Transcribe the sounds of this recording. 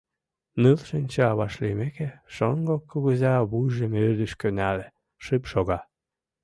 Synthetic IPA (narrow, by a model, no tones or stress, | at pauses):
nɨlʃɨnʲt͡ɕeɑβɑʃlimekeʃoŋɡokːoɣəzɑβujʒemørd̪əʃkønæle | ʃɨpʃoɣɑ